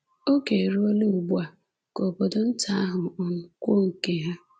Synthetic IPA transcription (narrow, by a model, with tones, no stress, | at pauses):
o˦ke˨ɾu˦o˦le˦u˨ɡ͡bu˦a˨ | ko˨bɔ˨dʊ˨n̩˦ta˦a˦ɦʊ˨ɔ˨n̩˦kʷo˦˨ŋ̩˨ke˦ɦa˦